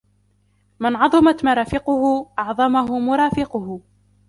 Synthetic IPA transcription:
mɪnʕɑðˤɨmat̪maɾˤɑːfɪqʊhʊʔɑʕðˤɑmaɦʊmʊɾˤɑːfɪqʊhʊ

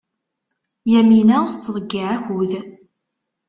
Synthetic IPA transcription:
jæminæθət͡sːðˤəɡːiʕæçʊð

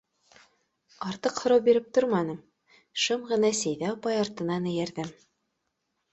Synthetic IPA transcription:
ɑɾt̪ɤqhŏɾɑwbiɾɘp̚t̪oɾmɑnɤm | ʃɤmʁɤ̆nɑsæjðæɑpɑjɑɾt̪ɤ̆nɑnɘ̆jæ̆ɾðɘm

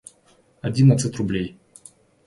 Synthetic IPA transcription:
ad̪ʲinat̪sɨt̪ɾublʲej

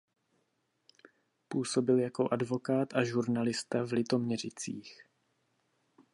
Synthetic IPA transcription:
puːso̞bɪljako̞ʔadvo̞kaːt̪ʔaʒuɾnalɪst̪avlɪt̪o̞mɲɛr̝ɪt͡sḭːx

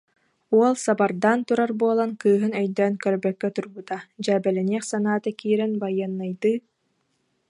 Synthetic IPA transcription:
uɔlˠsabaɾd̪aːnt̪uɾaɾbuɔlˠankɯːɦɯnœjd̪œːnkœɾbœkːɛt̪uɾbut̪ad͡ʑæːbɛlɛniɛχsanaːt̪akiːɾɛnbajanːajd̪ɯː

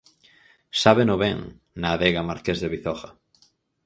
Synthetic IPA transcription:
saβenoβeŋ | naːðeɣamaɾkezðeβiθɔxa

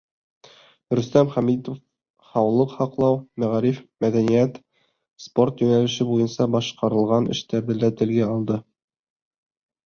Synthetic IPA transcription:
ɾɵ̆st̪æmχæmit̪of | hɑwlˠɤqhɑqlˠɑwmæʁæɾifmæðænijæt̪ | sport̪jɵ̆nælɘ̆ʃɘbujɤnsɑbɑʃqɑɾɤ̆lˠʁɑnʔɘ̰̆ʃt̪æɾðɘlæt̪ɘ̆lɡæɑlˠd̪ɤ

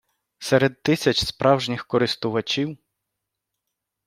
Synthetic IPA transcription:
sɛɾed̪̚t̪ːɪsʲɐt͡ʃʲspɾʔɑwʒnʲɪxkɔɾɪst̪ʊʋɐt͡ʃʲiw

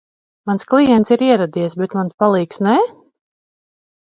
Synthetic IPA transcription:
mansklˠijɛnt̪siɾiɛɾad̪iɛsbɛt̪manspalˠiːksnɛ

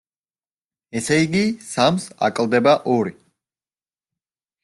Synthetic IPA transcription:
ɛsɛiɡisamsa̰kʼlˠd̪ɛbaʔɔɾi

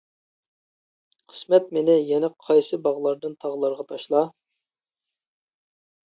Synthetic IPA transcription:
qʰə̥smɛt̪̚mɪnɪjɛnɛqʰɑjsɨbɑʁlˠɑɾd̪ɨnt̪ʰɑʁlˠɑɾʁɑt̪ʰɑʃlˠɑ

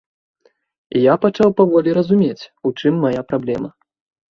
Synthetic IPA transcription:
ijapat͡ʂawpavɔlʲiɾɐzumʲet͡sʲut͡ʂɨmːajapɾablʲɛmɐ

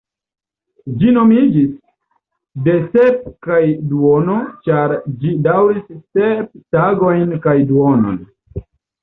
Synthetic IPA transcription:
d͡ʒino̞mid͡ʒis | de̞se̞p̚kajduono̞t͡ʃaɾd͡ʒidawɾissep̚taɡo̞jnkajduono̰n

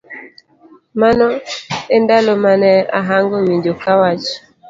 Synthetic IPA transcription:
manɔendalomanɛa̰ɦaŋɡowiɲd͡ʒokawat͡ʃ

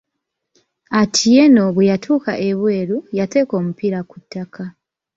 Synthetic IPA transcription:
atʰije̞no̞βwejatʰuːka̰ʔe̞βwe̞ːɾujate̞ko̞ːmupiɾakutːakʰa

